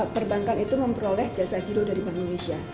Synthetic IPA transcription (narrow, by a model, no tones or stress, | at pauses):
pərbaŋkaŋit̪uməmpɾolɛhd͡ʒasaɡiɾodaɾibandonesia